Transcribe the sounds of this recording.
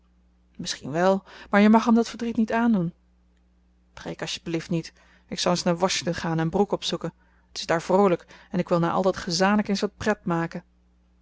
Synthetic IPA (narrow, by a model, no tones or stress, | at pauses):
mɪsχinʋɛlˠmaːɹjəmɑχɦəmdɑtfəɹdritnitaːndun | prejkɑsʃjəbəliftnit | ɪksɑlˠənsnaːɹʋɑʃɪŋtɔnχaːnɛnbrukɔpsukən | ətɪ̥zdaːɹv̥rowləkɛnɪkʋɪlˠnaːʔɑ̰lˠdɑtχazaːnləkensʋɑt̚prɛtmaːkə